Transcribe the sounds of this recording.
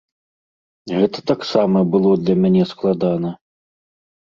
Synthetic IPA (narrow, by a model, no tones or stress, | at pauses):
ɣɛt̪ɐ̥t̪aksamɐbɨlˠɔd̪lʲɐmʲanʲɛsklˠad̪anɐ